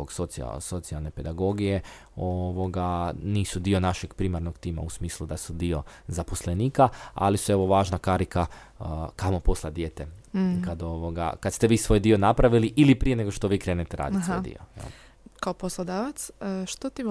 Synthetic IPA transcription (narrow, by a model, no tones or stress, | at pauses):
oɡsot̪sia̰so̞t̪sialˠne̞pe̞d̪aɡo̞ɡije̞ | oʋo̞ɡaniːsud̪iːo̞naʃeɡpɾimaɾnoɡt̪iːma̰usmiːslˠud̪asud̪io̞zaposleniːkaa̰lisueʋoʋaːʒnakaɾika | kamoposlˠad̪jeːt̪ekad̪oʋoɡa̰kad̪st̪e̞ʋiːsʋoːjd̪io̞napɾaʋiliʔilipɾije̞ne̞ɡoʃt̪o̞ʋiːkɾe̞ːnet̪eɾa̰ːd̪iʋod̪ḭoj̰l | kaoposlˠod̪aːʋat̪sʃt̪ot̪i